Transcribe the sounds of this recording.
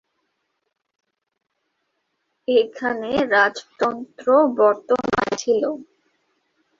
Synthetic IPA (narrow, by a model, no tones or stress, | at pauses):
ekʰaneɾad͡ʑt̪ɔnt̪ɾobɔɾt̪ona̰t͡ɕʰilo